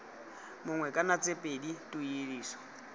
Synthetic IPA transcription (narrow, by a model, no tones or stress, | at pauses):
mʊŋwɛkʼanat͡sʼepʼeditʼujiɺiːsɔ̥